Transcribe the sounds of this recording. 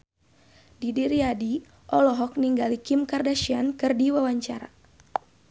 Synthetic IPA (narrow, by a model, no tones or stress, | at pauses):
didiɾiadi | ʔɔlɔɦɔk̚niŋɡalikimkardaʃiankɨrdiwawaɲt͡ʃaɾa̰